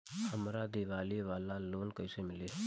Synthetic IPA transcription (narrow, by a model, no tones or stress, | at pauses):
ɐmɾad̪iʋaːliʋaːlaloːnkɐɪsemɪleː